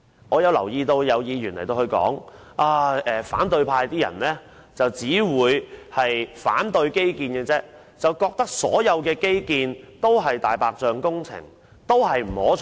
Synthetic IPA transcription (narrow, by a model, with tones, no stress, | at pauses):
ŋɔː˨˧jɐ˨˧wlɐ˨˩wjiː˧t̪o˧wjɐ˨˧wjiː˨˧jy˨˩nljt̪o˧whɵ˧kɔ̰ː˨˥ŋ | ʔaː˧ɛː˨fa̰ː˨˥nt̪ɵ˧ɥpʰaː˧jt̪iː˥jɐ̰˨˩nlɛː˥ | t͡sɐ˨wt͡siː˨˥wuː˨˧jhɐ˨jfa̰ː˨˥nt̪ɵ˧ɥke˥jkiː˧nkɛ˧t͡sɛː˥ | t͡sɐ˨wkɔː˧k̚t̪ɐ˥k̚sɔ̰ː˨˥jɐ˨˧wkɛː˧ke˥jkiː˧nt̪o˥wɦɐ˨jt̪aː˨jpaː˧k̚t͡ʃœː˧ŋkʊ˥ŋt͡sʰɪ̰˨˩ŋ | t̪o˥wɦɐ˨jm̩˨˩hɔː˨˥